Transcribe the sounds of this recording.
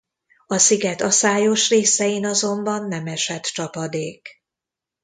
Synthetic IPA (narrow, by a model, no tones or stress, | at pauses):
ɒsiɡɛt̪ɒsaːjo̞ʃreːsɛjinɒzo̞mbɒnːɛmɛʃɛt̪t͡ʃɒpɒd̪eːk